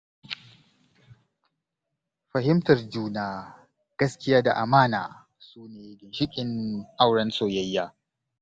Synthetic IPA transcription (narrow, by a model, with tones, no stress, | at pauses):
ɸɐ˨hɪ˦mtɐ˨rd͡ʒuː˦naː˨ | ɡ̥ɐ˦skʲɪ˦jaː˦da̰˨ʔa˨maː˦na̰ː˨ | suː˦neː˨ɡʲɪ˨nʃɪ˦kʲʼɪ˨nʔa˦wɽɐ˦nsoː˦˨jɐ˦jːaː˦